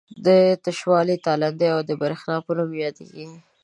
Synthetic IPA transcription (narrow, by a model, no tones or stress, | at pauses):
d̪ət̪aʃwɑlit̪ɑland̪eawd̪əbaɾxnɑpənumjɑd̪ḛɡi